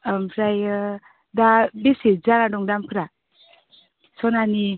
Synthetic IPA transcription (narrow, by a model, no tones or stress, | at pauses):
mpʰɾaj | dabesezanadɔŋdampʰɯɾa | sɔnani